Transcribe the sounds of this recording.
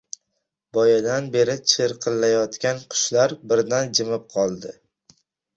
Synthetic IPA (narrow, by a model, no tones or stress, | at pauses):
bɒjad̪anbe̞ɾɪt͡ʃʰɪɾqʰɨlːajɒt̪kʲanqʰʊ̥ʃlaɾbɪɾd̪and͡ʒɪmɪp̚qʰɒlˠd̪ɪ